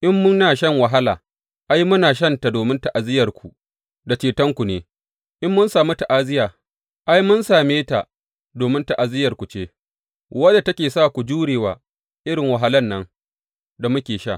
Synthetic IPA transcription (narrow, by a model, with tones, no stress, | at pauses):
ʔɪ˦mːʊ˦nːaː˨ʃɐ˦˨ŋwa˨ɦa˦la̰ː˨ | ʔa˦jmʊ˦naː˨ʃ̬ɐ˦nta˨doː˨mɪ˦nta˨ʔa˨zɪ˦jɐ˨rkʷu˨ | da˨t͡ʃeː˨tɐ˦ŋkʷu˨neː˨ | ʔɪ˦mːʊ˦nsaː˨mu˦ta˨ʔaː˦zɪ˦jaː˨ | ʔa˦jmʊ˦nsaː˨meː˦ta̰˨ | doː˨mɪ˦nta˨ʔa˨zɪ˦jɐ˨rkʷu˨t͡ʃeː˦ | wɐ˦da˨tɐ˦kʲeː˨saː˦˨kʷu˨d͡ʒuː˦ɽeː˨waː˨ | ʔɪ˦ɽɪ˨ŋwɐ˨ɦa˦lɐ˦nːɐ˦ŋ | da˨mʊ˦kʲeː˨ʃa̰ː˦˨